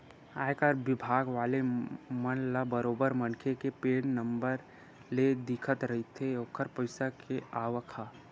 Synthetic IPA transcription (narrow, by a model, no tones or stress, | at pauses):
aːjkaɾʋɪbʱaːɡʋaːlemənlabəɾoːbəɾmɐnkʰekepeːɽnəmbəɾ | led̪ɪkʰət̪ɾɐɦit̪ʰejoːkʰəɾpəɪsakʰeaːʋəkʰaː